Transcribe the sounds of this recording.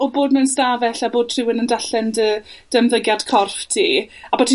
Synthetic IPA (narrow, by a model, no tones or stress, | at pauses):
ɔboːdmɛnstavɛɬaboːd̚tʰrɪwənəndaɬɛndəd̥əmðəɡjad̥kʰɔrftʰiːabɔtʰi